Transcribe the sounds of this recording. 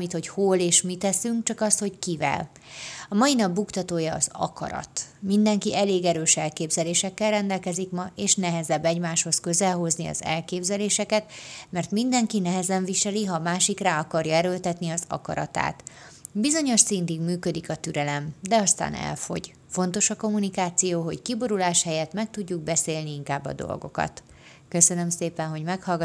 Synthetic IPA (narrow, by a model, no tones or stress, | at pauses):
mit̪ho̞choleːʃmit̪ɛsyŋkt͡ʃɒkɒst̪ho̞ckivɛ̰l | ɒmɒjinɒbːukt̪ɒt̪oːjɒːzɒ̰kɒ̰ɾɒ̰t̪mind̪ɛŋkiʔɛleːɡɛɾøːʃɛlkeːbzɛleːʃɛkːɛlrɛnd̪ɛlkɛzikmɒeːʃnɛɦɛzɛbːɛɟmaːʃho̞skø̞zɛlɦo̞zniɒ̰zɛ̰lkeːbzɛleːʃɛkɛt̪mɛrt̪mind̪ɛŋkinɛɦɛzɛɱviʃɛliɦɒːmaːʃikraːɒkɒrjɒɛɾølt̪ɛt̪niɒzɒ̰kɒ̰ɾɒ̰t̪a̰ːt̪ | bizo̞ɲo̞ʃsint̪iɡmyːkø̞d̪ikɒt̪yɾɛlɛmd̪ɛɒst̪a̰ːnɛ̰lfo̞̰ɟ | fo̞nt̪o̞ʃɒko̞munikaːt̪sijoːɦo̞ckibo̞ɾulaːʃhɛjɛt̪mɛk̚t̪uɟːuɡ̚bɛseːlniiŋkaːbːɒ̰d̪o̰lɡo̞̰kɒ̰t̪ | kø̞sø̞nø̞mseːpɛnɦo̞ɟmɛkhɒlɡ